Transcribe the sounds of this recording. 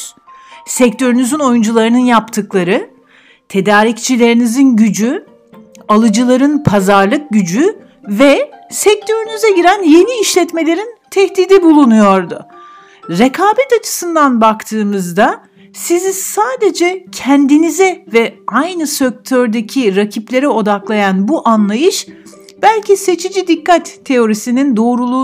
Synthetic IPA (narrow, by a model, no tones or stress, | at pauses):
sɛct̪ʰø̞ɾynyzyno̞jund͡ʒulˠaɾɯnɯnjapt̪ʰɯklˠaɾɯ | t̪ʰe̞d̪aːɾict͡ʃʰilʲe̞ɾinizinɟyd͡ʒy | alˠɯd͡ʒɯlˠaɾɯnpʰazaɾlˠɯk̚ɟyd͡ʒy | vɛsɛc̚t̪ʰø̞ɾynyzɛɟiɾænje̞niːʃlʲɛt̪me̞lʲe̞ɾint̪ʰɛht̪iːd̪ibulˠunujo̞ɾd̪ʊ̰ | ɾekʰaːbɛt̪at͡ʃʰɯ̥sɯnd̪anbakt̪ʰɯːmɯzd̪a | sizisaːd̪e̞d͡ʒɛcʰɛnd̪inizɛvɛajnɯsøk̚t̪ʰøɾd̪ecʰiɾacʰiplʲe̞ɾɛo̞d̪aklˠajanbuʔanlˠajɯʃ | b̥ælʲcʰise̞t͡ʃʰid͡ʒid̪ikːat̪ʰːe̞o̞ɾisinind̪o̞ːɾulˠu